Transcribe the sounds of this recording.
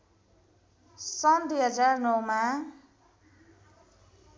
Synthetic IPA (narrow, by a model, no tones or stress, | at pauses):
sʌnd̪wuɦʌd͡zarnʌwma